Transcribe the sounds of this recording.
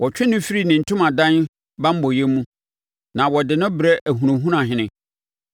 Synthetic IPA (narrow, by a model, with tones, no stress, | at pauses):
wʔɔ˨t͡ɕᶣɪ˦nʊ̃˦fi˦ɾi˦nɪ̃˨n̩˨tʰʊ̃˦mã˨dã˦n | bã˦m̩˦bɔ˨jɛ˦mũ˦ | nã˨wɔ˨dɪ˨nʊ̃˦bɾɛ˦ʔæ˨ɦũ˨ɾũ˨ɦũ˦nã˨ɦɪ̃˦nɪ̃˦